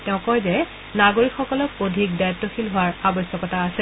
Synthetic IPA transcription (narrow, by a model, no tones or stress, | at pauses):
tɛʊ̃kɔjzɛ | naɡoɹikxɔkɔlɔk̚odʱik̚dajatːɔxilɦʊwaɹabɔsɔkɔtaːsɛ